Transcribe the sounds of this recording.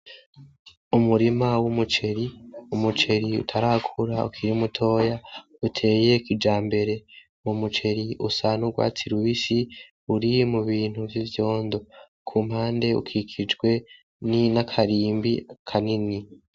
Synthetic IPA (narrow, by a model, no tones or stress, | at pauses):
umuɾimawumut͡ʃe̞ɾiumut͡ʃe̞ɾiṵtʰaɾakʰuɾaṵkʰiɾiumutʰo̞ːja | utʰe̞ːje̞kid͡ʒaːmbe̞ɾe̞ | mumut͡ʃe̞ɾiusanuɡwa̰ːt͡siɾuβisi | uɾimuβiːn̥huvjivjo̞ːndo̞ | kʰuːm̥haːnde̞ṵkʰikʰid͡ʒɡwe̞ | ninakʰaɾiːmbiakʰanini